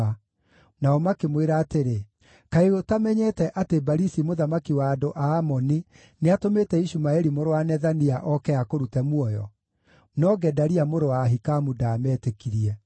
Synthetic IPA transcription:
a | naɔmakemweɾaːteɾe | kaeɣotamɛɲɛtɛʔatebaɾisimoðamakiwaːdoʔaːmɔni | neatometɛiʃumaeɾimoɾoanɛðaniaʔɔkɛakoɾutɛmwɔjɔ̰ | nɔɡɛdaɾiamoɾowaːɦikamudaːmɛːtekiɾiɛ

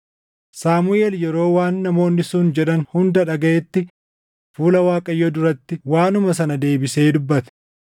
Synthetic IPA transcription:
saːmʊʔeːljɛɾo̞ːwaːnːɐmo̞ːnːɪsuːnd͡ʒɛᶑɐnhʊnd̪ɐᶑɐɡɐʔɛt̪ːɪ | fuːlɐwaːkʼɐjːɔd̪ʊɾɐt̪ːɪwaːnʊmɐs̬ɐnɐd̪e̞ːbɪse̞ːd̪ʊbːɐt̪ɛ̥

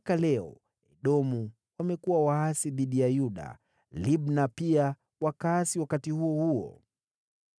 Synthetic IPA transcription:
akalɛɔ | ɛɗɔmu | wamɛkuwawaasiðiɗijajuɗa̰ | liɓnapia | wakaːsiwakatihuɔhuɔ̰

